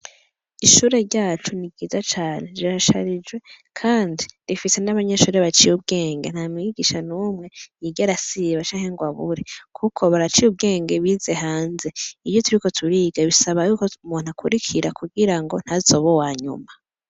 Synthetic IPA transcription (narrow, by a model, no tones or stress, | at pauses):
iʃuːɾe̞ɾɟaːt͡ʃuniɡɡiːzat͡ʃaːne̞ziɾaʃa̰ɾid͡ʒwe̞ | kʰaːndiɾifise̞naβaɲe̞ʃuːɾe̞βat͡ʃijub̚ɡe̞ːŋɡen̥hamiiɡiʃanuːmŋe̞jiɟaɾasiβat͡ʃaːŋhe̞ŋɡwaβuɾekʰukʰo̞βaɾat͡ʃijub̚ɡe̞ːŋɡe̞βize̞ɦaːnze̞iβjotuɾiko̞tʰuɾiːɡ̥aβisaβajukoumuːn̥akʰuɾikʰiɾakuɡiɾaŋɡo̞n̥hazo̞βowaːɲṵma